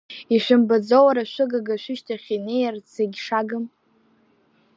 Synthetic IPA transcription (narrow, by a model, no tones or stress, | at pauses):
iʃʷᶣʊmbad͡zowaɾaʃʷɨɡaɡaʃʷᶣɪʃtʰaχʲinejart͡sʰeɡʲʂaɡɨm